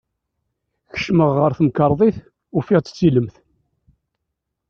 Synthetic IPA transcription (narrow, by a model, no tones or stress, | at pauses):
çə̥ʃməʁːəɾθəməkəɾˤðˤiθ | ʊfɪʁt͡sə̥t͡sːiləmθ